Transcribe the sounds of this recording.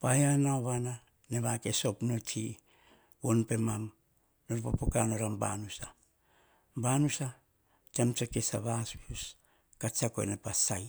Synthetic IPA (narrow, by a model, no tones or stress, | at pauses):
pajanaoβana | neβake̞so̞pnotʰi | wonpe̞mam | noɾpa̰pokanoɾamba̰nusa | banusa | temt͡ʃakesaβasus | kat͡ʃako̰ḛnepasaj